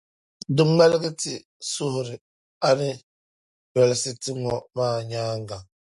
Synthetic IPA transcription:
dɨ˦ŋ͡mɛ˦lɪ˦ɡi˦ti˨ | sʊ˦hʊ˨ɾɪ˨ | a˨nɨ˦ | bɛ˨lɪ˨si˦ti˦ŋɔ˨maː˦˨ɲaː˦ŋ˦ɡa˨

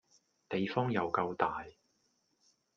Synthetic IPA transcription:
t̪e˨jfɔː˥ŋjɐ˨wkɐ˧wt̪aː˨j

